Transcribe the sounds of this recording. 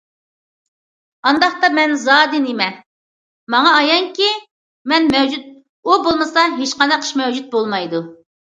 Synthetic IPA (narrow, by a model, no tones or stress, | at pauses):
ɑnd̪ɑχt̪ɑmɛnzɑːd̪ɪnemɛ | mɑŋɑːjɑŋkʲi | mɛnmɛwd͡ʒut̪̚ | ubolˠmɨsɑɦeʃqɑnd̪ɛqʰə̥ʃmɛwd͡ʒut̪̚bolˠmɑjd̪u